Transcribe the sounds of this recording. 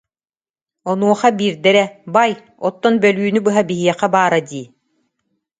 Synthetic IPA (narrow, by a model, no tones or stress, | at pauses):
ɔnuɔχabiːɾd̪ɛɾɛbaj | ɔt̪ːɔnbœlyːnybɯɦabiɦiɛqabaːɾad̪iː